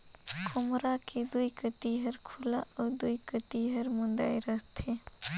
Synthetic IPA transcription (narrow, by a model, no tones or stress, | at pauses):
kʰʊmɾaked̪uikət̪iɦəɾkʰulaʔɔːɾd̪uikət̪iɦəɾmʊ̃nd̪aːiɾəɦt̪ʰe